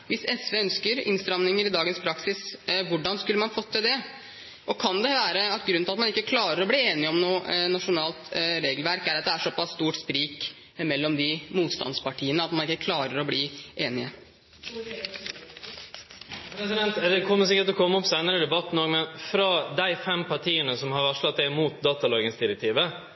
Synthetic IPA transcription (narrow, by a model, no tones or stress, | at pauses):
ʋɪsɛsʋeːœnskəɾɪ̰nst̪ɾɑmnɪŋəɾɪd̪ɑːɡənspʰɾɑksɪsʋʊɖɑnskʉlːəmɑnfɔt̪ʰːəd̪ɛ | ʔɔkʰɑnd̪ɛʋæːɾəɑt̪ɡɾʉnɪɑt̪mɑnɪkːəkʰlɑːɾəɾɔbliːeːnɪɔmnuːnɑʂʊnɑːlt̪ɾeːɡəlʋæɾkæɾɑt̪̚d̪ɛæʂɔpːɑsːt̪uːʈspɾiːk | mɛlːɔmd̪ɪmuːt̪st̪ɑ̰nspɑʈʰiːənəɑt̪mɑnɪkːəkʰlɑːɾəɾɔbliːʔeːnɪə | pʰɾɛsɪd̪ɛnt̪d̪ɛkʰɔmːəs̬ɪkːəʈ̪ɔkʰɔmːəɔpsæɪnəɾəd̪ɛbɑt̪ːn̩oːɡmɛnfɾɑd̪æɪfɛmpʰɑʈʰiːənəsɔmhɑɾɑʂlɑt̪̚d̪ɛmuːt̪̚d̪ɑːt̪ɑlɑːɡəsd̪ɪɾɛk̚t̪ʰiːʋə